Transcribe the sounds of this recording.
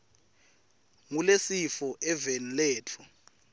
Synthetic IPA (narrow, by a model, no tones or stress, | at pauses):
ŋulesifɔʔɛvɛllɛːt͡fʰɔ